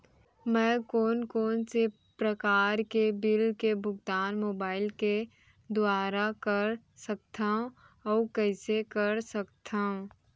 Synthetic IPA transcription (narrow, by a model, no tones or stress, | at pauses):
mɛ̃ːkɔːnkɔːnse | pɾɐkaːɾkebɪlkebʱʊɡt̪aːnmoːbaːɪlke | d̪ʊaːɾakɐɾ | sɐk̚t̪ʰaɦũ | ɔːkɛɪsekɐɾsɐk̚t̪ʰaːɦũ